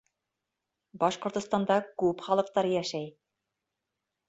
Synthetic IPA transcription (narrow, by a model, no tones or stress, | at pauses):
bɑʃqŏɾt̪ŏst̪ɑnd̪ɑkʉpχɑlˠɤ̆q̚t̪ɑɾɤjæʃæj